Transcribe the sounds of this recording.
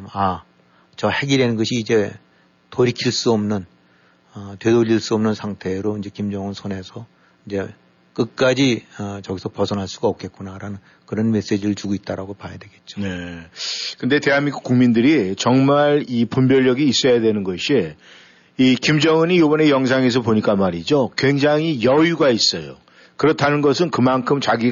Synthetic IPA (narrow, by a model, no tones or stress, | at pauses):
ma | t͡ɕʌhe̞ɡiɾenɯnɡʌɕʰiːd͡ʑe̞ | toɾikʰiɭs͈uʌmnɯn | ʌtwedoʎːiɭs͈uʌmnɯnsʰaŋtʰe̞ɾoind͡ʑe̞kimd͡ʑʌŋɯnsʰʌne̞sʰʌ | ind͡ʑe̞ | k͈ɯk̚k͈ad͡ʑiʌt͡ɕʌɡisʰʌpʌsʰʌnɦaɭs͈uɡaʌp̚k͈e̞t̚k͈unaɾanɯn | kɯɾʌnme̞s͈e̞d͡ʑiɾɯɭt͡ɕuɡoit̚t͈aɾaɡopajadwe̞ɡe̞t̚t͡ɕ͈o̥ne | kɯnde̞te̞ɦamik͈ukuŋmindɯɾit͡ɕʌŋmaɾipumbjʌɭːʌɡiːs͈ʌjadwe̞nɯnɡʌɕʰiː | kimd͡ʑʌŋɯɲijobʌne̞jʌŋsʰaŋe̞s̬ʰʌpoɲik͈amaɾid͡ʑokwe̞ŋd͡ʑaŋɦijʌjuɡais͈ʌjo̰ | kɯɾʌtʰanɯnɡʌsʰɯnkɯmankʰɯmt͡ɕaɡi